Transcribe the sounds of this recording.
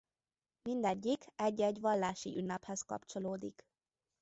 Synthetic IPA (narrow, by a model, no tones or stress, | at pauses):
mind̪ɛɟːikɛɟːɛɟʋɒlːaːʃiʔynːɛphɛskɒ̰pt͡ʃoloːd̪ḭk